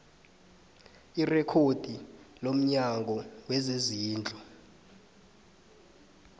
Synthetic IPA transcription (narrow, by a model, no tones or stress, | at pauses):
irɛkʰod̥ʱilom̩ɲaŋɡʱɔwɛzeziːnd͡ɮʱɔ